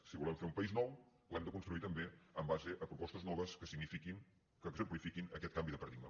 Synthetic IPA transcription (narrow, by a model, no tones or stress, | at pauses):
siβulɛmfeɾumpəiznɔw | lɛmd̪əkunst̪ɾuit̪əmbeəmbazeʔəpɾupɔst̪əznɔβəskəsiɣnifikin | kəzəplifikinəkɛt̪̚kambiðəpəɾðimə̰